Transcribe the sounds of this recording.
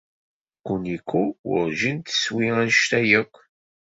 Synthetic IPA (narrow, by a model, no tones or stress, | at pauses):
kːunikʷːuwʊ̰ɾʒint̪ə̥swiʁænʃt̪æjəkʷː